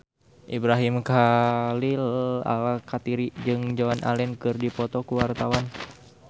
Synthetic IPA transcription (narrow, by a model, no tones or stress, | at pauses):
ʔibɾaɦimkalila̰lakat̪iɾid͡ʒɨŋd͡ʒawanʔa̰lɛnkɨrdipɔt̪ɔkuwart̪awan